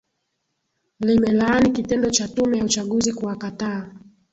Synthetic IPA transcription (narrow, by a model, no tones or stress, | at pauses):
limɛlaːnikitɛndɔt͡ʃatumɛjaut͡ʃaɠuzikuakataː